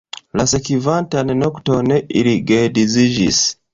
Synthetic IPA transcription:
lasekivantanenoktoneʔḭɾiɡediziʒḭs

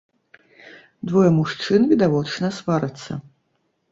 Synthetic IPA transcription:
d̪vɔjɛmuʂt͡ʂɨnvʲid̪avɔt͡ʂnɐsvaɾɐt̪sːɐ̰

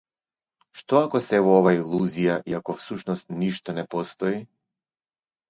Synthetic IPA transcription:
ʃt̪ɔakɔsɛvɔɔvailˠuzijaʔiakɔfsuʃnɔst̪niʃt̪ɔnɛpɔst̪ɔi

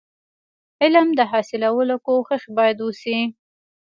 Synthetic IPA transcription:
ɪlamd̪əɦɑsɪlawəlokoxɪxbɑjad̪usi

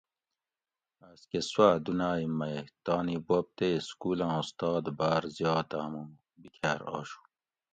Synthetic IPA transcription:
askeswaːd̪unaːimːɐjt̪ɑːnibop̚t̪eskuːlãːust̪ɑːd̪baːɾzjɑːt̪aːmũ | bikʰaɾɑ̰ːɕu̥

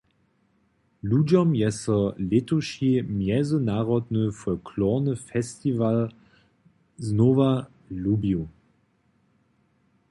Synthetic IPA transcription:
luːd͡ʒɔmjɛsɔletuʃimjɛzənaːʁɔd̪nəfɔlkʰlɔʁnəfɛstival | znoːva | lubju

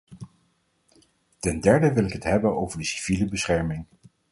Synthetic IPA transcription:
tɛndɛɹdəʋɪlɪkɦətɦɛbənowvəɹdəsi̥v̥iləbəsχɛɹmɪŋ

